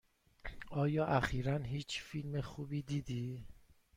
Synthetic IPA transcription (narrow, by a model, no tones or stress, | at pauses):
ɒːjɒːʔæxiːɾænɦiːt͡ʃʰfilme̞xuːbiːd̪iːd̪iː